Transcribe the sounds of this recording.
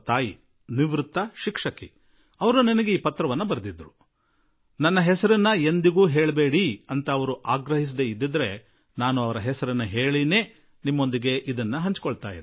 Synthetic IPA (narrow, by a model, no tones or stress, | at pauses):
t̪aːji | niʋɾut̪ːɐʃikʂɐki | ɐʋɐɾunɐnɐɡeiːpɐt̪ɾɐʋɐnːɐbɐɾɐd̪id̪ɾu | nɐnːɐɦɛsɐɾinːɐe̞nd̪iɡuːɦeːɭbe̞ːɽiɐnt̪ɐːʋɐɾuʔaːɡɾɐɦis̬d̪eid̪ːid̪ɐɾe̞ | naːnuɐʋɐɾɐɦɛsɐɾinːɐɦeːɭine̞ː | nimːo̞nd̪iɡe̞ʔid̪ɐnːɐɦɐɲt͡ʃkɔɭt̪a̰ːjḭd̪